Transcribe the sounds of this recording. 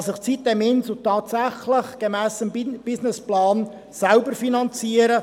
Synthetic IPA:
sɪχt͡sit̚dɛmɪnsotɑːt̪sæχləχɡ̥emæːsəmb̥ɪsnɪsplɑːn | sælbəɾfinɑnt͡siːəɾə

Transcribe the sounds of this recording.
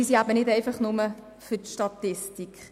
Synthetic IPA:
isiabənɪdɛɪfɑχnʊmə | fʏtʃtɑt̪ɪstikχ

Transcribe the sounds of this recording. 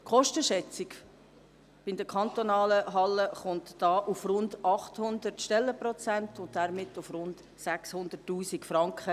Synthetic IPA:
kχɔʃtəʃɛt͡sik | b̥ɪd̪əkʰɑnt̪onɑːləɦɑlːəχʊntd̥ɑːʔufrʊndɑχthʊndərtʃtɛlːəprɔt͡sæntʊntd̥æɾmɪtʊfrʊnd | sækshʊnd̪ətːuːsikfrɑŋkχə

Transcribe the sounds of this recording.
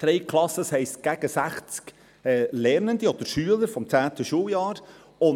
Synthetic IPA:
d̥ɾɛɪkʰlɑsəshɛɪstɡ̥æɡ̥əsæχt͡sk | ɛlɛɾnənd̪iɔd̥̪əɾʃyələɾfɔmt͡sæːt̪əʃuːljɑːɾ | ʊn

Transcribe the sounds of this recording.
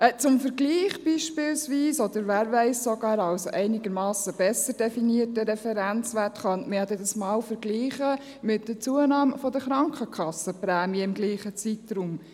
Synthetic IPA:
ɛt͡sʊmfəɾɡliːχb̥iːʃpɪlsʋiːsɔd̪əɾʋæːɾʋɛɪssoɡɑːɾɑlsoʔɛɪnɪɡəɾmɑːsəb̥ɛsəɾd̥ɛfiniətəɾɛfɛɾænt͡sʋætχɑntmɪhɑd̪ɛdɑsmɑːwfəɾɡliːχə | mɪt̚dət͡suənɑːmfɔd̪əχɾɑŋkχəkʰɑsəpɾæːmiəɪmɡliːχət͡sit̪ɾum

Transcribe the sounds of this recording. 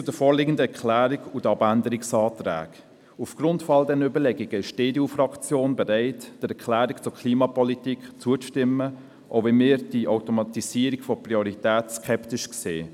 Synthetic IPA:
t͡sudəɾfɔːɾlɪɡən̩dəɛɾkʰlæːɾiɡudɑbændəɾiksɑːtɾæ̰ːɡ | ufɡ̥ɾʊntfɑldɛnøbəlɛɡiɡəɪʃd̥eːdjufrɑkt͡sjoːnbɛɾæɪtd̥əɾɛkʰlæːɾikt͡sʊkʰliːmɑpɔlitikt͡suət͡stɪmːə | ʔo̰ʊvɛmɪːɾd̥iʔaʊtɔmɑtisiəɾikfɔpriɔɾitɛːtskʰɛptɪʃkseː

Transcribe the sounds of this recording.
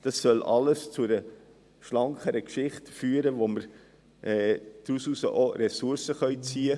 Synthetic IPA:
d̥ɑsːœlʔɑləst͡sʊdə | ʃlɑŋkχəɾəkʃɪχtfyːəɾəʋoməɾ | ʔɛːd̪̥ɾususə̰ʔoɾɛsuɾsəχœʏt͡siːə

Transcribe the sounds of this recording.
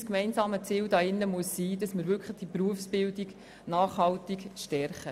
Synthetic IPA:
skmɛɪnsɑːmət͡siːldɑːɪnːəmuəsːiːdɑsməɾvʏɾkʰχləχd̥ipɾuəfsb̥ɪldiɡ | naːχɦɑltikʃtɛrχə

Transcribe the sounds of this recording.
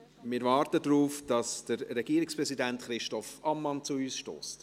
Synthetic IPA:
mɪɾvɑːɾtədɾuːfd̥ɑsd̥əɾːɛɡiːɾɪkspɾɛsidæntχɾɪʃtɔfɑmːɑnt͡suyːsʃto̰ːst

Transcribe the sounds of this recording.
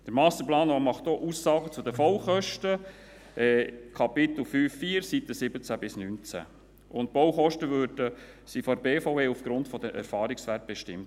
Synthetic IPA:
d̥əɾmɑstəplɑːnɔmɑχtoʔuːsːɑːɡət͡sʊdəfɔwχœʃtə | ɛkʰɑpɪt̪l̩fyːfːiːəɾsit̪əsɪbət͡sæbɪsnynt͡sæ̰ | ʔʊnt̚b̥owχɔʃtəʋøːɾd̥ə | sifɔɾbeːfoʊeːufɡ̥ɾʊntfɔd̪əʔæ̰ɾfɑːɾiksʋæɾt̚b̥ɛʃtɪ̰mt

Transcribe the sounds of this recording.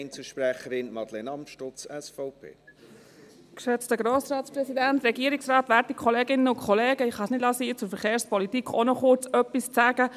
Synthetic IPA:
nt͡səʃpɾɛχəɾɪnmɑdlenɑmʃtɔt͡sɛsfɔʊpʰḛː | kʃɛt͡stəɡɾoːsrɑːtsprɛsidænt̪rɛɡiːəɾɪksɾɑːt̪ʋæɾtikʰɔleːɡɪnəʊnkʰɔleːɡəɪχɑsnɪd̥lɑːsiːt͡sʊɾfəɾχeːɾspɔlitiːkχonɔχʊɾt͡sœpːist͡sæːɡ̥ə

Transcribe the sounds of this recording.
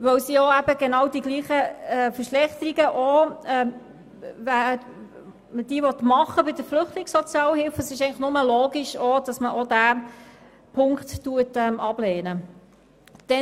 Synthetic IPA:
ʋœwsiɔæbəɡenɑwdiɡliːχəɛfəɾʃlɛχt̪əɾiɡəʔɔɛ | væə | məd̥iːəvɔtmɑχːəbɪd̥əɾflʏχtlɪŋsɔt͡sjɑːləhɪlfəsɪʃɛɪŋləχnʊməlɔːɡiʃɔd̥ɑsməʔɔdæː | pʰʊŋkttuətɛmɑb̥leːnə | d̥ɛ

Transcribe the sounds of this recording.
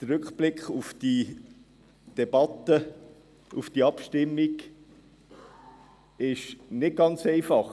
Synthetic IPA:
d̪̥əɾɵkχb̥lɪkχufd̪̥i | d̪̥ɛbɑt̪ːə | ufd̥iɑpʃtɪmːik | ɪʃnɪt̚ɡ̥ɑnt͡sɛɪfɑχ

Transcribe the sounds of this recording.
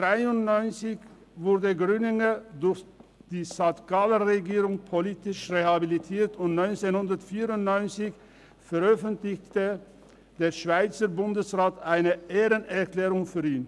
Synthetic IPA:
d̥ʁaɪʊntnɔʏnt͡sɪç | vʊɐdəɡʁyːnɪŋədʊɐçd̥iːsatɡ̥aləʁeɡiːʁʊŋpʰoliːtɪʃʁehabilitʰiːɐtʊntnɔʏnt͡senhʊndɐtfiːʁʊntnɔʏnt͡sɪç | fɛʁœfəntlɪçtə | d̥eːɐʃv̥aɪt͡sɐbʊndəsʁaːtaɪnəʔeːʁənɛɐklɛːʁʊŋfyːiːn

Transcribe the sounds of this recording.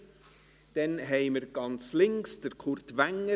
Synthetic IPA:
d̥ɛnɦɛɪməɾɡ̥ɑnt͡slɪŋksd̥əɾkʰʊɾtvæŋːə

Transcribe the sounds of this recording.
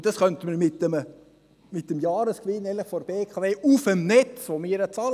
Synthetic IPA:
d̥ɑsχœnt̪əməɾmɪtːəmə | mɪt̚əmjɑːɾəskʋɪnːɛləχfɔɾbeːkʰɑveːʔufəmnɛt͡sʋomɪːɾət͡sɑːl

